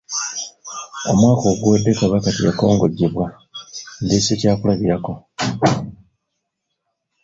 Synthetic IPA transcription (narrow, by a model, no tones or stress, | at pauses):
o̞mwaːko̞ːɡuwedːekaβakatija̰ko̞ːŋɡo̞ɟːeβwa | ndesecaːkulaβiɾako̞